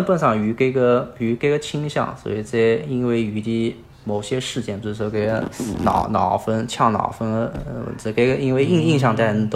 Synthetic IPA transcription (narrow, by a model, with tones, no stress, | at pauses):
npə˥˧nʂɑ˥˩ŋy˧˥ke˧˩ɡə˧y˧˥ke˧˥ɡə˧t͡ɕʰi˥ŋɕjɑ̰˥˩ŋswɔ̰˧˥i˨˩t͡sa˥˩i˥nwe˥˩ɪy˧˥t̪i˧˥˩ | mo˨˩ʊɕjɛ˥ʂɻ̩˥˧t͡ɕjɛ˥˩npu˧˩˥ʂwɔ˥˧ke˧˩ɪɡə˧nɑ˨˩ʊnɑ˨˩ʊfə˥nt͡ɕʰjɑ˥˩ŋnɑ̰˨˩ʊfə˥n̰̩˧˩˧ke˧˩ɡə˧i˥nwe˥˧ɪi˥˧ŋi˥˧ŋɕ̬jɑ˥˧ŋt̪a˥˧ɪə˥t̪o˧